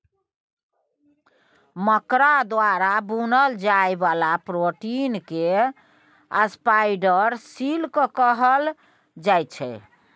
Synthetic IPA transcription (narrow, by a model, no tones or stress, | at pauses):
məkɾad̪waɾabunəld͡ʒaebalapɾoʈinke | əspaiɖəɾsilkəkəɦəl | d͡ʒajt͡ʃʰɛ̰